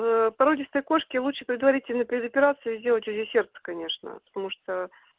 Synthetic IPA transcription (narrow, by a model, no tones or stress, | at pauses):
vpɐɾodʲɪst̪əjko̞ʂkʲɪlˠuʂɨpʲɾʲɪd̪vɐɾʲitʲɪlʲnəpʲɪɾʲɪd̪əpʲɪɾat̪sɨɪzʲdʲe̞lˠətʲʊzʲesʲe̞rt̪sə̥kɐnʲe̞ʂnə̰pə̥t̪ɐmuʂt̪ə